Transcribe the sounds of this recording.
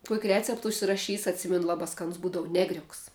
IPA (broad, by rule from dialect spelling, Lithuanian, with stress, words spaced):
kuɔkʲ ˈrʲæːt͡sʲɛpt ʊʃʲsʲɪrɐˈʃʲiːs ɐtʲˈsʲɪmʲɛnʊ ˈlˠɑːbɐ ˈskɑːnʊs ˈbuːdɐʋʊ ˈnʲæːɡrʲʊks